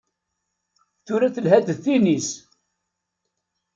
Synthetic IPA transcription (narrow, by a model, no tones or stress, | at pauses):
θʊɾæθəlɦæd̪əðθinis